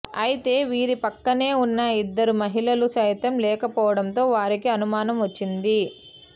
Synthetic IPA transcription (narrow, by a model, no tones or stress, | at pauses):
ɐjit̪e̞ːʋiːɾipɐkːɐne̞ːunːɐid̪ːɐɾumɐɦilɐlusɐːjt̪ɐmlɛːkɐpɔːʋɐɽɐnt̪o̞ːʋaːɾikiɐnumaːnɐmʋɐt͡ʃːind̪i